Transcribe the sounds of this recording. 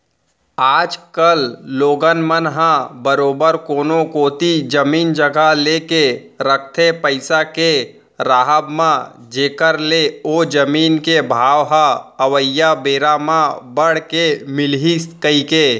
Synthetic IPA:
aːd͡ʒkəlloːɡənmənɦãbəɾoːbəɾkoːnõkoːt̪id͡ʒəmiːnd͡ʒəɡʱaɦleːke | ɾək̚ʰt̪ʰepəɪsake | ɾaːɦəbmã | d͡ʒeːkəɾleoːd͡ʒəmiːnkebʱaːʋɦãəʋəjːabeːɾamãbəɽ̤kemɪlɦiskəikeː

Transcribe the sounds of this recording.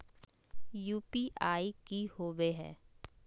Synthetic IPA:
juːpiʔaːikihoːʋeɦɛ̰̃ː

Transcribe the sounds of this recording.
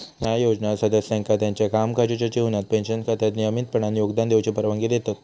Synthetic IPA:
njajod͡ʑnasəd̪əsɛ̃ŋkʰat̪jaɲt͡ɕjakamkad͡ʑot͡ɕat͡ɕiunat̪̚pẽnɕənkʰat̪ʰjat̪niəmit̪̚pəɳanjoɡd̪and̪ewt͡ɕepəɾʋãŋɡed̪et̪at̪

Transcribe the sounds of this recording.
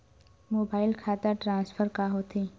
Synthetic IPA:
moːbaːɪlkʰaːt̪əɾʈɾãːnsfʰəɾkaɦot̪ʰi

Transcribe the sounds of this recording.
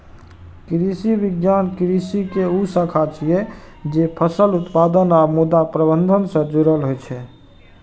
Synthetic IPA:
kɾisibiɡjankɾisikeusə̃kʰat͡ʃʰijɛ | d͡ʒepʰəsəlut̪pad̪ənamud̪apɾəbənd̪ʱənsə̃d͡ʒuɾəlɦojt͡ʃʰɛ

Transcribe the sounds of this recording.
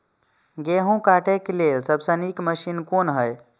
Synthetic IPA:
ɡeɦũkaʈeklelsəbsə̃nikməʃinkonɦəj

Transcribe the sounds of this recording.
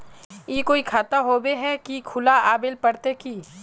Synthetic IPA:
iːkoːikʰaːt̪aɦoːbeɦɛkikʰʊlaaːbɪlpɐɽt̪ekiː

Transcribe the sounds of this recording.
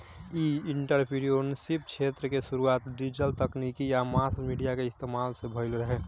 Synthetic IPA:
iɪɳʈəɾpʰiɽioːnsip̚kʰet̪ɾəkesʊɾuaːt̪ɖid͡ʒəlt̪əknikijamaːsmiɖijakeɪst̪emaːlsebʱəɪlɾəɦeː

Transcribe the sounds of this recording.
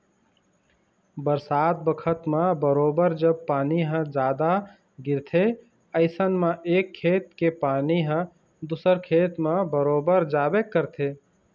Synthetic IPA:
bəɾsat̪̚bəkʰət̪mãbəɾoːbəɾd͡ʒəb̚paːniɦə̃d͡ʒaːd̪a | ɡiɾt̪ʰe | əɪsənmãʔeːkʰːet̪̚kepaniɦə̃ | d̪usəɾkʰet̪mãbəɾobəɾd͡ʒabekːəɾt̪ʰe

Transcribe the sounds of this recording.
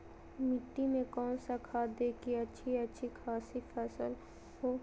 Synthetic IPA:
mɪʈːimẽkɔːnsakʰaːd̪eːkiɐtːʃʰiɐtːʃʰikʰaːsifʰɛːsəl | ɦoː

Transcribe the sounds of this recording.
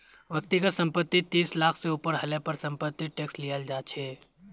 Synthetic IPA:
ʋɐk̚t̪ikasɐ̃mpət̪ːit̪iːslaːkʰseuːpəɾɦɐlepɐɾsɐ̃mpət̪ːiʈeːkslijəld͡ʒaːt͡ʃʰɛː

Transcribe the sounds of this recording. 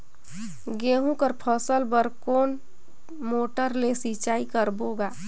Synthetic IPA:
ɡeːɦũkəɾpʰəsəlbəɾkoːn | moːʈəɾlesit͡ʃaːikəɾboːɡaː

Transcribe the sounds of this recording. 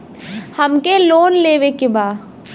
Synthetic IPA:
hɐmkeloːnleːʋekebaː

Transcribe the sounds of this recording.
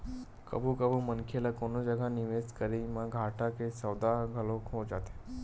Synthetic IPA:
kə̰bʱukəbʱumənkʰelakonod͡ʒəɡʱaniʋeskəɾimaɡʱaʈʰakesəwd̪aɡʱəlokɦod͡ʒat̪e̥

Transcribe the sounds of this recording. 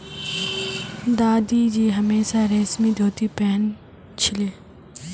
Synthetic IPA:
d̪aːd̪id͡ʑiːɦɐmeːsaɾɛːsmid̪ʱoːt̪ipɛɦn | t͡ʃʰɪleː

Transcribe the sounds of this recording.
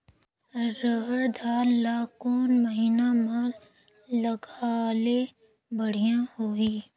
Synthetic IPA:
ɾəɦəɾd̪ʱaːɾlaːkoːnməɦiːnamɐɾ | ləɡaːle | bəɽ̤ijãhoːiː

